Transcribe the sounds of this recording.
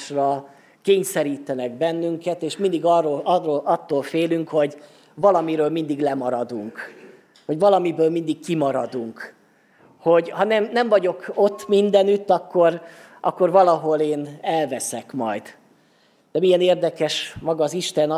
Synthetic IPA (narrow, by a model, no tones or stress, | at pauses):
ʃrɒ | keːɲsɛɾiːt̪ɛnɛɡ̚bɛnːyŋkɛt̪eːʃmind̪iɡɒrolɒroːlʔɒt̪ːoːlfeːlyŋkho̞ɟ | vɒlɒmiɾøːlmind̪iɡlɛmɒɾɒd̪uŋk | ho̞ɟvɒlɒmibøːlmind̪ikkimɒɾɒd̪uŋk | ho̞ɟhɒnɛmnɛɱvɒɟo̞ko̞t̪ːmind̪ɛnyt̪ːɒkːo̞ɾ | ʔɒ̰kːo̞rvɒlɒɦo̞leːnɛlvɛsɛkmɒ̰jd̪̥ | d̪̥ɛmijɛneːrd̪ɛkɛʃmɒɡɒːziʃt̪ɛn